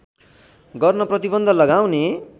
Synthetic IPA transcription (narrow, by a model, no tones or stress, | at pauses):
ɡʌrnʌprʌt̪ibʌnd̪ʱʌlʌɡaw̃ne